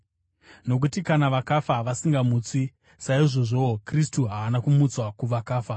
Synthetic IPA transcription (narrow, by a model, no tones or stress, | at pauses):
no̞k̬utikanaʋakafaʋasiŋɡamuːt͡si | saiʐo̞ʐo̞okris̬tuɦaʋanakumut͡swakuʋakaːfa